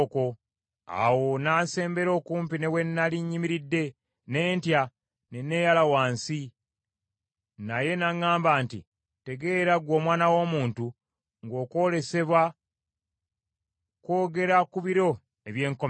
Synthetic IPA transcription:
ko̞ | a̰wo̞naːse̞ːmbe̞ɾo̞ːkuːmpine̞we̞nːaliɲːimiɾidːe̞ | ne̞ːntja | ne̞ne̞jalawaːnsi | naje̞naŋːaːmbaːnti | te̞ɡe̞ːɾaɡwo̞ːmwaːnawo̞ːmuːntu | ŋɡo̞ːko̞le̞se̞βwa | ko̞ːɡe̞ɾakuβiɾo̞ | eβje̞ːŋko

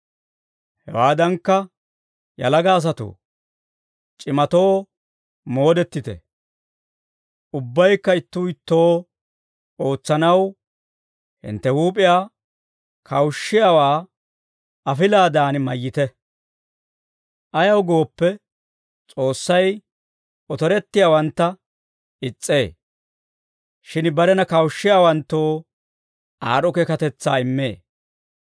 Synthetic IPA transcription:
hɛ̰waːd̪ɐŋkːɐ | jɐ̰lɐɡaːs̬ɐt̪ṵ | t͡ʃʼɪmɐt̪o̞ː | mo̞ːd̪ɛt̪ːɪt̪ɛ̰ | ʔʊbːɐjkːɐɪt̪ːuɪt̪ːo̞ː | o̞ːt͡sːɐnɐw | hɪ̰nt̪ːɛhuːp̬ʼɪjaː | kʰɐwʃːɪjawaː | ɐfɪlaːd̪aːnmɐjːɪt̪ɛ | ʔɐjɐwɡo̞ːpːɛ | t͡sʼo̞ːsːɐj | ɔt̪ɔɾɛt̪ːɪjaːwɐnt̪ːɐ | ɪt͡sʼːe̞ː | ʃɪnbɐɾɛnɐkɐwʃːɪjaːwɐnt̪ːoː | ʔaːɾɔkekɐt̪ɛt͡sːaːɪmːḛː

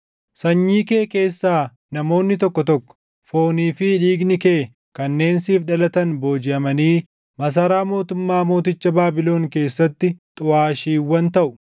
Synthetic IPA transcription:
sɐɲːiːke̞ːke̞ːsːaː | nɐmo̞ːnːɪt̪ɔkːɔt̪ɔkːɔ̥ | fo̞ːniːfɪᶑiːɡnɪkeː | kɐnːe̞ːnsiːfᶑɐlɐt̪ɐnbo̞ːd͡ʒɪʔɐmɐniː | mɐs̬ɐɾaːmo̞ːt̪ʊmːaːmo̞ːt̪ɪt͡ʃːɐbaːbɪlo̞ːŋke̞ːsːɐt̪ːɪt̪ʼʊaːʃiːwːɐnt̪ɐʔʊ̥

